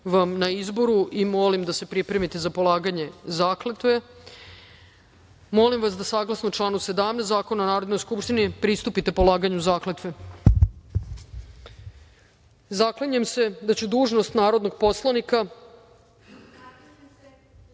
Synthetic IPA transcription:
ʋamnaizbo̞ɾuʔimo̞limd̪ase̞pɾipɾe̞mit̪ezapo̞lˠaːɡaɲe̞zaːklet̪ʋe̞ | mo̞limʋasd̪asaːɡlˠasnot͡ʃlˠaːnuse̞d̪amnet̪aːko̞nanaːɾod̪nojskupʃt̪inipɾist̪upit̪e̞polˠaːɡaɲuzaːklet̪ʋe̞ | zaklaɲuemse̞d̪at͡ɕud̪uːʒnost̪naːɾo̞d̪no̞ɡ̚po̞slˠanika

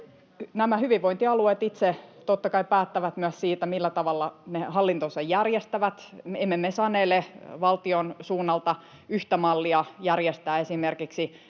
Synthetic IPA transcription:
næmæhyʋiʋʋoint̪iɑlueːt̪it̪set̪ot̪ːɑkɑipæːt̪ːæʋæt̪myæssiːt̪æmilːæt̪ɑʋɑlːɑnehɑlːint̪osɑjjærjest̪æʋæt̪emːemːesɑnːeːlːeʋɑlt̪ionsuːnːɑlt̪ɑ | yht̪æmɑlːiɑjærjest̪æːesimerkiksi

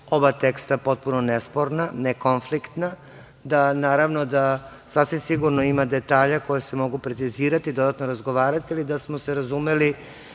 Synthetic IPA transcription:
o̞bat̪e̞kst̪apo̞t̪̚punonespo̞ɾnaneko̞nflikt̪na | d̪anaːɾaʋno̞d̪a | sasʋimsiɡuɾnoimad̪e̞t̪aːʎako̞jesemo̞ɡupɾet̪siziːɾat̪id̪o̞d̪at̪no̞ɾazɡo̞ʋaːɾat̪ilid̪asmoseɾazume̞li

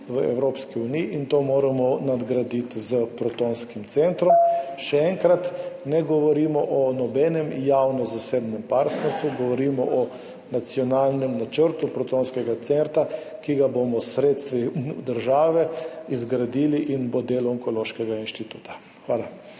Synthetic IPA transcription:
ʋəɛ̰wɾoːpskiuniiʔiːnt̪oːmoːɾamɔnad̪ɡɾad̪it̪zəpɾɔt̪onskimt̪sɛnt̪ɾɔmʃɛɛŋkɾat̪nɛɡɔʋɔɾimɔʔɔnɔbɛnɛmjawnɔzaseːbnɛmpaɾt̪nɛɾst̪ʋuɡɔʋɔɾimɔʔɔ | nat̪sjɔnaːlnɛmnat͡ʃəɾt̪upɾɔt̪oːnskɛɡat̪sɛnt̪akiɡabomɔsɾeːt̪st̪ʋid̪əɾʒaːʋɛizɡɾad̪iːliʔinbod̪elɔɔŋkɔloːʃkɛɡainʃt̪it̪uːt̪ḁ | xʋaːla

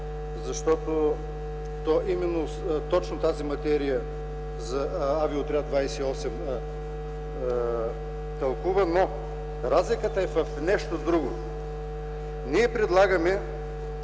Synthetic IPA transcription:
zɐʃt̪ɔt̪o | t̪ɔʔimɛnːo | t̪ɔt͡ʃnot̪azimɐt̪ɛɾijə | zɐaviot̪ɾʲad̪vajsɛiɔsɛm | t̪ɐlˠkuvɐno | ɾazlikət̪ɐɛfɐfnɛʃt̪od̪ɾuɡo | niɛpɾɛd̪lˠaɡɐmɛ

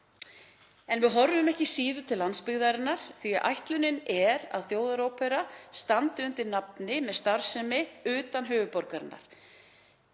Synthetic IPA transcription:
ɛnvɪðɦɔɾvʏmɛhcɪsiːðʏt̪ʰɪlːant̪spɪɣðaɾɪnːaɾ̥θiaʔa̰jht̪lʏnɪnɛɾa̰ðθjoːwðaɾoːwpʰɛɾast̪ant̪ɪʏnt̪ɪɾnapnɪmɛðst̪aɾ̥sɛmɪʏːt̪anɦʏːvʏpɔɾkaɾɪnːa̰ɾ̥

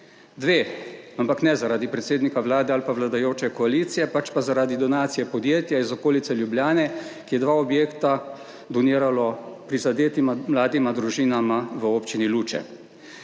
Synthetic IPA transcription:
d̪ʋeːampaknɛzaɾaːd̪ipɾɛt̪seːd̪nikaʋlaːd̪ɛalpaʋlad̪ajoːt͡ʃɛkɔaliːt̪sijɛpat͡ʃpazaɾaːd̪id̪ɔnaːt̪sijɛpɔd̪jeːt̪jaizɔkoːlit̪sɛljubljaːnɛkijɛd̪ʋaːɔbjeːkt̪a | d̪ɔniːɾalɔpɾizad̪eːt̪imamlaːd̪imad̪ɾuʒiːnamaʋəoːpt͡ʃiniluːt͡ʃɛ̰

